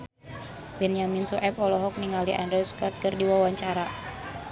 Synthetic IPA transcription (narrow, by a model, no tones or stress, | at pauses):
bɛnijaminsuʔɛpɔlɔɦɔk̚niŋaliʔa̰ndɾɛskɔrt̪̚kərdiwawaɲt͡ʃaɾa